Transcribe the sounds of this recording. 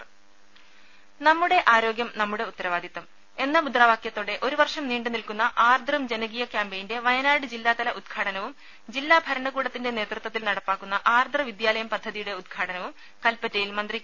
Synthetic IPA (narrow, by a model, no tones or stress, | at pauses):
nɐmːuɽe̞ʔaːɾo̞ːɡjɐmnɐmːuɽe̞ut̪ːɐɾɐʋaːd̪ʱit̪ːɐm | e̞nːɐmud̪raːʋaːkjɐt̪ːo̞ːɽe̞ʔo̞ɾuʋɐrʂɐmniːɳɖɨnilkunːɐʔaːrd̪ʱrɐmd͡ʑenɐɡiːjɐkjaːmbejinde̞ʋɐjɐnaːɽɨd͡ʑilːaːt̪ɐlɐʔud̪ɡʰʱaːɽɐnɐʋum | d͡ʑilːaːbʱɐɾɐɳɐɣuːɽɐt̪ːinde̞ne̞ːt̪rɨt̪wɐt̪ːilnɐɽɐpːaːkːunːɐʔaːrd̪ʱrɐʋid̪jaːlɐjɐmpɐd̪ʱːɐðijuɽe̞ud̪̚ɡʰʱaːɽɐnɐʋum | kɐlpːɐtːɐjilmɐnd̪rikː